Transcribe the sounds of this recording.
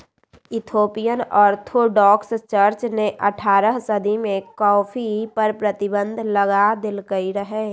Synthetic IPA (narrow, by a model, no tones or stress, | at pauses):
ɪt̪ʰoːpijənɔːɾt̪ʰoɖɔːkst͡ʃəɾt͡ʃneʔəʈʰaːɾəɦsəd̪ʱimẽkɔːfʰipəɾpɾət̪ɪbə̃nd̪ʱləɡad̪ɪlkəiɾəɦeː